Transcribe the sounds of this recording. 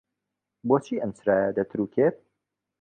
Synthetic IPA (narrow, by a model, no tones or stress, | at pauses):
boːt͡ʃʰiːʔɐmsɾaːjɐd̪ɐt̪ʰɨɾuːkʰet̪̚